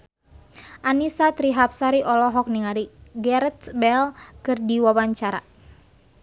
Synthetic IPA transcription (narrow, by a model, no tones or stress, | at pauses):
ʔanisat̪ɾiɦap̚saɾiʔɔlɔɦɔk̚niŋaɾiɡɛɾt̪bɛlkɨrdiwawaɲt͡ʃaɾa̰